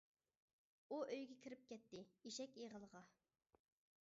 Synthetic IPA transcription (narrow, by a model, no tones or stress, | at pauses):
uʔøjɡʲɛkʲʰiɾɪp̚kʲɛt̪ːɪiʃɛkʲeʁəlˠəʁɑ